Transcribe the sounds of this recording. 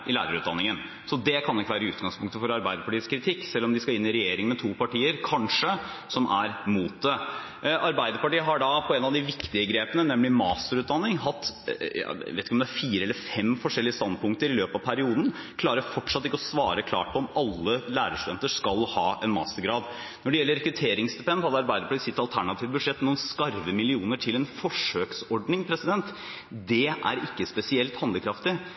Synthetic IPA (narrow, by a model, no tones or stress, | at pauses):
ʔɪlæ̰ːɾəɾʉːt̪d̪ɑnːɪŋən | sɔd̪ɛkʰɑnɪkːəʋæːɾəʉːt̪̚ɡɑŋspʰʊŋkt̪əfɔɾɑɾbæɪd̪əpɑʈiːəskɾɪt̪ʰɪkːsɛlːɔmd̪ɪskɑɪnːɪɾɛjeːɾɪŋmɛt̪ʰuːpɑʈiːəɾkʰɑnʂə | sɔmʔæɾmuːt̪̚d̪ɛ | ʔɑɾbæɪd̪əɾpɑʈiːəɦɑɖɑpʰɔɛnːɑʋd̪ɪʋɪkt̪ɪəɡɾeːpənənɛmːlɪmɑːst̪əɾʉːt̪̚d̪ɑnːɪŋɦɑt̪ːj̰ʋḛt̪ɪkəɔmd̪æɾfiːɾəɛlːəɾfɛmfɔʂɛlːɪəst̪ɑnd̪̚pʊŋkt̪əɾɪløːpɑʋpʰæɾɪuːd̪n̩ | kʰlɑːɾəɾfɔʈʂɑt̪ːɪkːəɔsʋɑːɾəkʰlɑ̰ːʈ̚pʰɔɔmɑlːəlæːɾəʂt̪ʉd̪ɛnt̪əʂkɑlhɑ̰ːʔɛnmɑ̰ːst̪əɾɡɾɑːd̪ | nɔɖɛjɛlːəɾɛkɾʉt̪ʰeːɾɪŋsd̪ɛpɛnd̪hɑd̪ɑɾbæɪd̪əpʰɔlɪsɪt̪ːɑlt̪ʰæɳɑt̪ʰiːʋəbʉd̪ʂɛt̪ːnuːnskɑɾʋəmɪlɪuːnəʈʰɪlɛnfɔʂøːksɔɖnɪŋpʰɾɛsɪd̪ɛnt̪ | d̪ɛʔæ̰ɾɪkːəspɛsɪɛlt̪hɑnd̪əkʰɾɑft̪ɪ